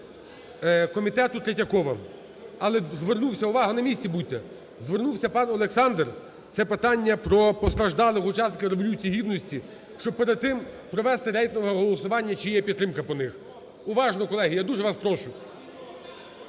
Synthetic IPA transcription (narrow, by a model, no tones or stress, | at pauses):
kɔmʲit̪ɛt̪ʊt̪ɾetʲɐkɔʋɐ | ɐlˠɛzʋernuwsʲɐʊʋɑɦɐnɐmʲisʲt͡sʲibut̪ːɛ | zʋernuwsʲɐpɑnɔlˠeksɑnd̪r | t̪sɛpet̪ɑnʲːɐpɾɔpɔst̪ɾɐʒd̪ɑlˠɪxʊt͡ʃɑsnɪkʲɐwɾeʋɔlʲut͡sʲijiɦʲid̪nɔsʲtʲi | ʃt͡ʃɔb̚peɾed̪̚t̪ɪmpɾɔʋɛst̪ɪɾɛjk̪nɔʋɦɔɦɔlˠɔsʊʋɑnʲːɐt͡ʃijɛpʲid̪t̪ːɾɪmkɐpɔnɪx | ʊʋɑʒnɔkɔlˠɛɦijad̪uʒɛʋɑspɾɔʃʊ